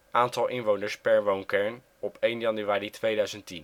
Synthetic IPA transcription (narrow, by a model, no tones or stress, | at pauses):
ʔaːntɑlˠʔɪnʋownəɹspɛɹʋownkɛɹn | ɔpejnjɑnyaːritʋejdœɥzəntin